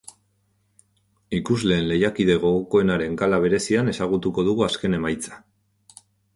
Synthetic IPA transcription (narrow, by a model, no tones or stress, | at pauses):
ikuzle̞ːnle̞jakiðe̞ɣo̞ɣokoe̞naɾe̞ŋkalaβ̞e̞ɾe̞siane̞saɣ̞ut̪uko̞ð̞uɣuaske̞ne̞majt͡sḁ